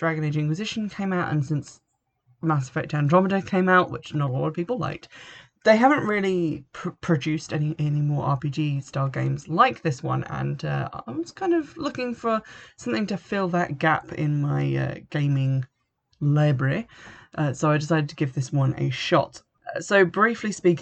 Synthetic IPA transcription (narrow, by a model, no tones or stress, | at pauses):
d̥ɹæɡɨ̃neɪd͡ʒɪ̃nkwɨzɪʃn̩kʰẽɪ̃maʊɾə̰̃nsɪ̃ns | mæsə̥fæk̚tæ̃ndɹɑməɾəkʰẽɪ̃maʊʔwɪ̰t͡ʃnəɾlɔ̰ɾʌv̥pipl̩ˠla̰ɪk̚ | ðeɪɦavə̃n̩ʔɹɪlˠipʰpʰɹ̥ɨd͡ʒʉstɛñiʔɛnimɔːɹʔɑ̰pid͡ʒistɑlˠɡḛ̃ɪ̃mzlaɪk̚ðɪswʌ̰̃nə̰̃nʌ̰a̰a̰ɪwʌz̥kʰãɪ̃ndʌvlʊkɪ̃ŋfə˞sʌ̃mθɪ̃ŋtɨfɪlˠðət̚ɡ̥apɪ̰̃nmaɪʌ̰ɡ̥ẽɪ̃mɪ̃ŋ | laɪbɹəɹiʔʌsoʊaɪdɪs̬aɪɾɨd̚tʰəɡɪvðɪswʌ̃nə̰ʃɒ̰t | soʊbɹiˑflispik